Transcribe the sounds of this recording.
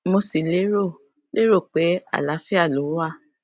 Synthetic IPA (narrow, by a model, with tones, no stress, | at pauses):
mo˧si˨le˨˦ɾo˦˨ | le˦ɾo˦˨k͡pe˨˦a̰˦˨la˨˦fi˦a˦˨lo˨˦a˦˨